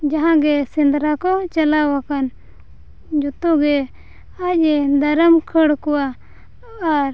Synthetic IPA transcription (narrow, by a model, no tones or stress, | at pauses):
d͡ʒaɦãɡɛsind̪ɾakɔt͡ʃalawakan | d͡ʒut̪ɔɡɛ | ac̚ɛd̪aɾəmkʰəɽkɔwaː | ɾ